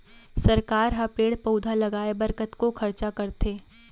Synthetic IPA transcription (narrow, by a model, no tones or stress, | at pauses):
sɐɾkaːɾɦɐpeːɽpɐʊd̪ʱalɐɡaːebɐɾkət̪kokʰɐɾt͡ʃakɐɾt̪eː